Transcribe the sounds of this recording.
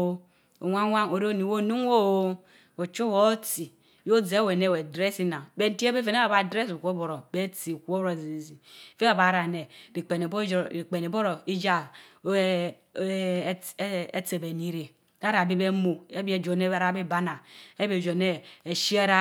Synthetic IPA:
o̰˨wʷa˦ŋʷa˦ŋo˨ɾo˦ni˨wo˦˨nu˦ŋ˦o˦o˦ | o˨t͡ʃu˦wo˨˦ti˨ | jo˦d͡ze˨˦we˨ne˦˨we˨dɾe˦si˦na˨be˨n̩˦ti˦e˦be˦fe˨ne˦a˨ba˨dɾe˦su˨kʷo˦bo˨ɾo˨be˦t͡si˨kʷo˦ɾo˨zzi˨fe˦a˦˨ba˨˦ɾa˨ne˨ɾi˨k͡pe˨ne˨bi˨k͡pe˨ne˨bo˦ɾo˨i˦d͡ʒa˦ | e˦t͡se˨be˨ni˦ɾe˨ | a˦ɾa˨bi˦be˦mo˨e˦bi˦e˨d͡ʒo˨ne˦˨ɾa˦˨be˦ba˦na˨e˦be˨d͡ʒo˨ne˦e˨ʃi˦a˦ɾa˦

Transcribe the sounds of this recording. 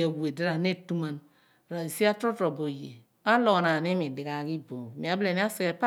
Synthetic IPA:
a˨wu˨e˨di˦ɾa˨ne˦tu˦ma˨n | ɾa˨i˨si˦a˦tɾo˦to˨bo˨jḛ˨ | a˦lo˨na˨ni˦mi˨di˨ɡa˨ki˦bo˨mi˨a˨ble˨ni˦a˦si˨˦e˨pa˦

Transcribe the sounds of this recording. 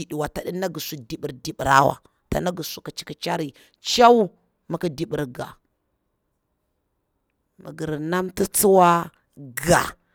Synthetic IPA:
i˨ɗi˨wa˨ta˨ɗi˦na˦ɡi˨su˨di˨ɓi˨ɾdi˨ɓɾa̰˦wa̰˨ | ta̰˨na˦ɡu˨su˨ki˨t͡ʃi̥˨ki˨t͡ʃa˦ɾi˨ | t͡ʃa˦u˦ | ma˨ki˦di˨ɓi˨ɾɡa̰˨ | mə̰˨ɡə˨ɾna˦mti˦t͡si˦wa˦ | ɡa̰˨

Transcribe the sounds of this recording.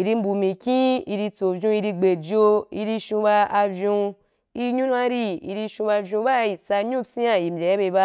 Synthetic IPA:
i˨ɾi˧m̩˦bu˨mĩ˨kʲĩ˦i˧ɾi˧t͡so˨vʲũ˧i˧ɾi˧ɡ͡be˨d͡ʒo˧i˧ɾi˧ʃũ˧ba˧a˧vʲjũ˧ | i˧ɲũ˦n˦a˦ɾi˧ḭ˧ɾi˧ʃũ˧ba˧vjũ˧ba˦i˨sa˧ɲũ˦si˦a˧˨ji˨m̩˨bʲe˨jbe˧ba˧

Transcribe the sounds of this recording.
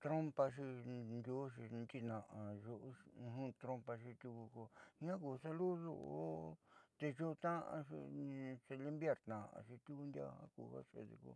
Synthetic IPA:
t̪ɾo˦mpa˧ʃ̬i˧nd̪ʲo˦ʃi˧nt͡ʃ̪i˧nã˨ʔã˨ʒo˧ʔɦũ˦t̪ɾo˧˦mpa˧ʃi˧t̪ʲu˧ku˧ko˧ɲã˦ku˨sa˧lu˦ðo̰˧˨o˦t̪e˧ʒo˦˧t̪ã˦ʔã̰˧ʃḭ˧se˧li˦mbje˧˨ɾt̪nã˨ʔã̰˧˨ʃi˧t̪ʲu˦ku˧nd̪ja̰˧hã̰˦kṵ˧˨˧ha̰˦ʃḛ˧˨ðḭ˧kṵ˧

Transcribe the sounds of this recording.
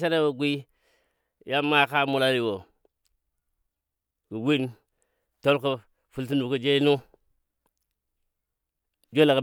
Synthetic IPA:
s̬a˦ɾe˦wo˨ɡʷi˦ | ja˦mːa˦˨ka˦mu˨la˦ɾi˨wo˨ | ku˨wi˦n | to˦lko˨ | fu˨lt̬i˦nu˨kə˦d͡ʒe˦nu˦ | d͡ʒo˦la˨kə˨

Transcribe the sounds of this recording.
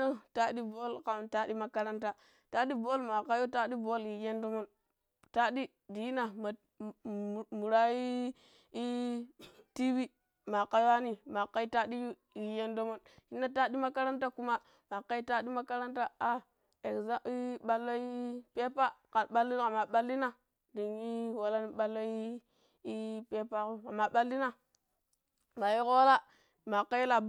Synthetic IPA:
o˦ta˦ɗi˦bo˦lka˨ta˦di˦ma˦ka˦ɾa˦nt̬a˦ | ta˦ɗi˦bo˦lma˨ka˦jo˦ta˦ɗi˦bo˦li˨je˦ndo˦mo˦n | ta˦ɗi˦ | di˨i˦na˨ma˨ | mu˨ɾa˦i˦ | i˦ | ti˦bi˦ | ma˨ka˦jo˦a˦ni˨ma˨kːa˦i˦ta˦ɗi˦ju˦ | i˨je˦ndo˦mo˦nʃi˦nːa˦ta˦di˦ma˦ka˦ɾa˦nta˦ku˦ma˦ | ma˨ka˦i˦ta˦ɗi˦ma˦ka˦ɾa˦nta˦a˦ | e˨kza˦i˦ɓa˦lːo˦i˦pe˦pa˦ka˨ɓa˦lːi˦a˨ma˨ɓa˦lːi˦na˦ | di˨ŋi˦wa˨la˦ni˦ɓa˦lːo˦i˦ | i˦pe˦pa˦ko˦a˨ma˨ɓa˦lːi˦na˦ | ma˨ji˦ko˦wa˦la˦ | ma˨ka˦ji˦la˨b

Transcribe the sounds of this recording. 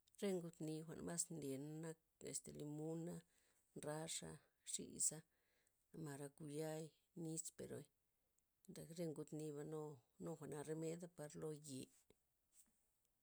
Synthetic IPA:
ɾe˦ŋɡu˧t̪ni˧xʷa̰˨ʔnma˦snle˨nːa˦k̚ | ḛ˨st̪e˨li˧mu˦na˦ | nɾa˦ʂa̰˧ | ʂḭ˦sa˦ | ma˨ɾa˧ku˧ja˦j | ni˦spḛ˨ɾo̰˧˦j | nd̪a˨kɾe˦ŋɡu˧t̪ni˧βa˧no˦no˦xʷa˨ʔna˧ɾe˧me˦d̪a˦pa˧ɾlo˧je˨

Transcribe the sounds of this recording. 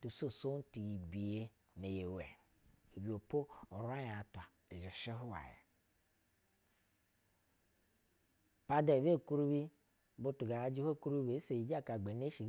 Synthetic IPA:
tu˨so˦˨so˦n˦ti˨ji˨bi˨je˦ | ne˨je˨we˨ | e˨bi˨o˨po˦o˨ɾa˦ja˨tʷa˨ | e˨d͡ʒi˨ʃe˦ɦu˦wa̰˨jḛ˨ | pa˦de˨βe˦˨ku˦ɾu˦βi˦ | bu˦tu˨ɡa˨a˦d͡ʒi˦ho˦˨ku˦ɾu˦i˦be˨˦se˨ji˨d͡ʒa˦˨ka˨ɡ͡be˨ne˦ʃi˨

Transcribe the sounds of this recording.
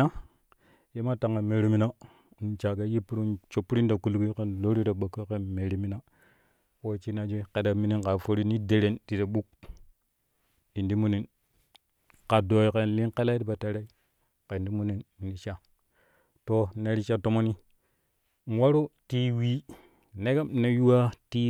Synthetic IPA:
a˦ | je˦ma˦ta˨ŋa˨me˨ɾi˨mi˦na˦˨ | n˨t͡ʃa˨ɡa˦ji˦pːu˦ɾu˦nt͡ʃo˨pːu˦ɾi˦nda˨ku˨lɡi˦ke˦nlo˦ɾi˦ɾa˨ɓa˨kːo˦ke˦me˨ɾi˨mi˦na˦ | wo˦˨t͡ʃi˦na˨d͡ʒe˦ke˨da˨mi˦ni˦nka˨fo˦ɾi˦ni˦de˨ɾe˨˦nti˨ɾa˨ɓu˦k̚ | i˨ndi˦mu˦ni˨n | ka˨do˨i˨ke˦˨nli˦nke˦la˦i˦di˦ba˨ta˨ɾe˦i˦ | ke˨ndi˦mu˦ni˨ni˨ni˦t͡ʃa˦ | to˨ne˨˦ɾi˦t͡ʃa˦to˦mo˦ni˦ | n˨˦wa˦ɾo˦ti˦wi˦ | ne˦ɡa˦m˦ne˨ju˦wa˦ti˦

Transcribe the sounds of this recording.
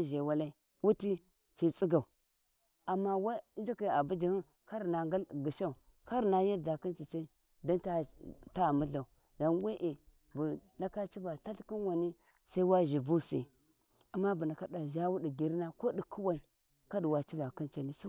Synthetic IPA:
ʒe˨wa˦la˦i˦ | wu˦ti˦ | ti˨t͡sʼi˦ɡa˨u˨ | a˨mːa˦wa˦d͡ʒi˦ki˨a˨bu˦d͡ʒi˨hi˦ | ka˦ɾna˨ŋɡa˦ɡi˨ʃa˦u˨ | ka˦ɾna˨ji˦ɾda˨ki˦nt͡ʃi˨t͡ʃa˦ | da˦nta˦˨ta˦˨mu˦ɮa˨u˨ | da˨nwe˦ʔe˨ | bu˨na˦ka˦t͡ʃi˦ba˨ta˦ɬki˦nwa˨ni˦ | sa˦i˦wa˦ʒi˨bu˦sḭ˨ | a˨mːa˦bu˨na˨ka˦da˨ʒa˦wu˦di˨ɡi˨ɾna˦ko˦di˨kʰu˦wa˨i˨ | ka˦di˨wa˨t͡ʃi˦ba˨ki˦nt͡ʃa˨ni˦sa˦

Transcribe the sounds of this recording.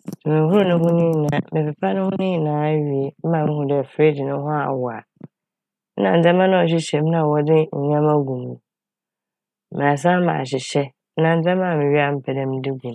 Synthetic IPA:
su˨mẽ˨hʊ˦ɾʊ˦nʊ̃˦hʊ̃˦nɪ̃˦˨nã˨mɪ̃˨pɪ˨pʰa˦nʊ̃˦hʊ̃˦nɪ̃˦˨nãː˨˦ɥi˨e˨m̩˦mã˨mɪ̃˦hʊ̃˨dɛ˨fɾe˦dɪ˨nʊ̃˦ɦʊ̃˦a̰˨wʊ˨a̰˨˦ | nã˨n̩˨d͡zɛ˦mã˦nʊ̃˦ɔ˨ɕ̬ɪ˦ɕɛ˨m˦nã˨wɔ˨dɪ˦ɲ̩˨ɲã˦mã˦ɡũ˨mũ˨ | m˨a˨s̬ã˦mã̰˨ɕ̬ɪ˨ɕɛ˦ | nã˨n̩˦d͡zɛ̃˦mã˦˨mɪ̃˨ɥi˦a˦m̩˦pʰɛ˨dɛ̃˦m˦dɪ˦ɡũ˨

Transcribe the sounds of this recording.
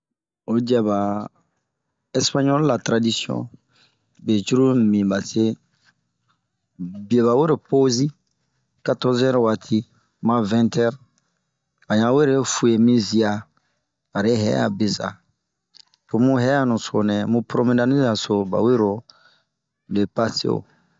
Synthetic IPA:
o˨d͡ʒi˨˦a˨ba˨ | ɛ˦spa˦ɲɔ˦lla˨tɾa˨di˦si˦ɔ̰̃˦ | be˨t͡ʃu˦ɾu˦˨mĩ˨ba˨se˦ | bi˨e˨βa˨we˦ɾo˨po˦zi˦ | ka˦tɔ˦zɛ˦ɾo˨wa˨tʰi˦ | mã˦vɛ̃˦ntɛ˦ɾ | a˨ɲã˨we˦ɾe˦fu˨e˨mĩ˦zi˦aː˨ | ɾe˦ɦɛ̰˦a̰˨be˨za̰˨ | po˨mũ˦ɦɛ˦a˦nũ˨so˨nɛ̃˨mũ˦pɾo˦mẽ˦da˦ni˦za˨so˨ba̰˨we˦ɾo˨ | le˨pa˦sḛ˦o̰˨

